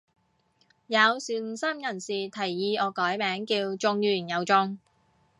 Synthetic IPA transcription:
jɐ˨˧wsyː˨˧˥n̩˨˩sɐ˥mjɐ˨˩nsiː˨˩t̪ʰɐ˨˩jːiː˧ɔː˨˧kɔː˨˥jmɛː˨˥ŋkiː˧wt͡sʊ˧ŋjyː˨˩njɐ˨˧wt͡sʊ˧ŋ

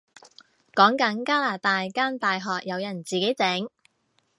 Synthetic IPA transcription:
kɔː˨˥ŋkɐ˨˥nkaː˥laː˨˩t̪aː˧jkaː˥nt̪aː˨jɦɔː˨k̚jɐ˨˧wjɐ˨˩nt͡siː˨ke˨˥jt͡sɛː˨˥ŋ

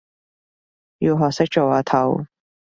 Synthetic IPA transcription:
jiː˧wɦɔː˨k̚sɪ˥k̚t͡ʃo˨˧waː˨˩t̪ʰɐ˨˩w

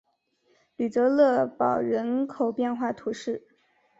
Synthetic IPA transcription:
ly˨˩t̪ɤ˧˥lɤ˥˩pɑ˨˩ʊɻə˧˥nkʰo˨˩ʊpjɛ˥˧nxwa˥˩t̪ʰu˧˥ʂɻ̩˥˩

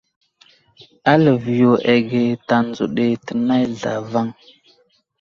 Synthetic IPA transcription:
a˦lə˨vi˨jo˨ʔe˨ɡe˨ta˨n˦d͡zo̰˨ɗe˨tə˨na˦jɮa̰˨va˦ŋ

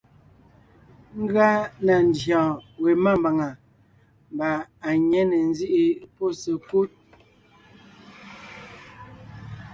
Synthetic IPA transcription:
ŋ̩˦ɡa˦na˨n˨˦djɔ̃˨we˨ma˦˨mba˨ŋa˨ | m˨ba˨a˨ɲɛ˦nɛ˨n˦zi˦ʔi˦po˦˨sə˨ku˦t̚

